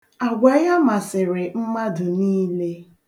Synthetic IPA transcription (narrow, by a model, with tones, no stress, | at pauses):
a˨ɡʷa˨ja˦ma˨sɪ˨ɾɪ˨m̩˦ma˦dʊ˨niː˦le˦